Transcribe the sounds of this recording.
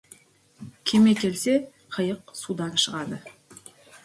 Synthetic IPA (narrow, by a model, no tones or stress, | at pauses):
kʲʰe̞me̞kʲʰe̞lse̞ | qʰəjəqsud̪ɑnʃəʁɑd̪ə